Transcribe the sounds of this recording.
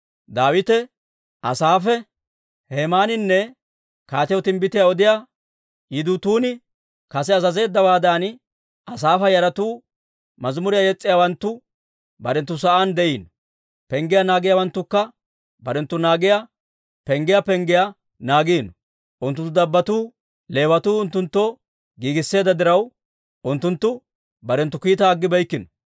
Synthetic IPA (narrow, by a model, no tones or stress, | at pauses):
d̪aːwɪt̪ɛ | ʔɐsaːfɛ | heːmaːnɪnːɛ | kaːt̪ɪjɔt̪ɪmbɪt̪ɪjaɔd̪ɪja | jɪd̪ʊt̪uːnɪ | kɐs̬ɛɐzɐze̞ːd̪ːɐwaːd̪aːn | ɐsaːfɐjɐɾɐt̪uː | mɐzmʊɾɪjajɛt͡sʼːɪjawɐnt̪ːʊ | bɐɾɛnt̪ːʊs̬ɐʔand̪ɛʔiːn | pɛŋɡɪjanaːɡɪjawɐnt̪ːʊkːɐ | bɐɾɛnt̪ːʊnaːɡɪja | pɛŋɡɪjapɛŋɡɪja | naːɡiːn | ʔʊnt̪ːʊnt̪ːʊd̪ɐbːɐt̪uː | le̞ːwɐt̪uːʊnt̪ːʊnt̪ːoː | ɡiːɡɪsːe̞ːd̪ɐd̪ɪɾɐw | ʊnt̪ːʊnt̪ːʊ | bɐɾɛnt̪ːʊkiːt̪ɐːɡːɪbɐjkːɪnɔ̥